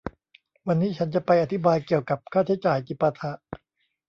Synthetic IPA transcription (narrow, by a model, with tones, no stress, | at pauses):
wa˧nːiː˦˥t͡ɕʰa˦˥nt͡ɕa˨˩pa˧jʔa˧t̪ʰi˦˥baː˧jki˨˩əwka˨˩p̚kʰaː˥˩t͡ɕʰa˦˥˩jt͡ɕaː˨˩jt͡ɕi˨˩pːa˧t̪ʰa˧˥ʔ